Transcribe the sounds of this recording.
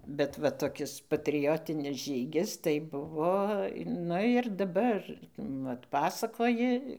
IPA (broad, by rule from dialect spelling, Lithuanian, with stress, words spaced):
bʲɛt ˈʋɐ toːˈkʲɪs pɐtʲrʲɪˈjoːtʲɪnʲɪs ˈʒʲiːɡʲɪs tɐɪ ˈbʊʋoː ˈnʊ ɪr dɐˈbɐr ˈʋɐt ˈpɑːsɐkoːjɪ